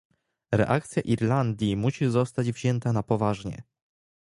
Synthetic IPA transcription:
ɾɛ̰ʔak̚t̪sʲjaʔiɾland̪ʲjimuɕizɔst̪ad͡ʑvʑɛnt̪anapɔvaʐɲɛ̰

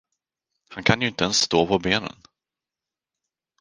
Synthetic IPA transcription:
hankʰanjɵɪnt̪əɛnsːt̪oːpʰɔbeːnə̰n

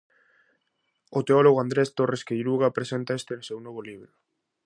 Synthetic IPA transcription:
ot̪eoloɣoand̪ɾest̪oreskejɾuɣapɾesent̪aest̪enosewnoβ̞oliβ̞ɾo

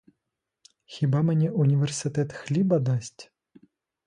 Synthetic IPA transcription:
xʲibamʲnʲɛʔunʲivʲɛrsɨt̪ɛt̪xlʲibɐd̪asʲtʲ

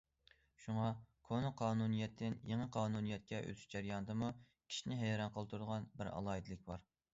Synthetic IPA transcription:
ʃuŋɑkʰonɨqʰɑːnunijɛt̪ʰːɪnjeŋəqʰɑːnunijɛt̪̚kʲʰɛʔø̰t̪ʰy̥ʃd͡ʒæɾjɑnɨd̪ɨmu | kʲʰi̥ʃinɪɦɛjɾɑnqʰəlˠɨt̪ʰuɾud̪əʁɑnbɪɾɑ̰lˠɑːid̪ɨlɪk̚ʲbɑɾ

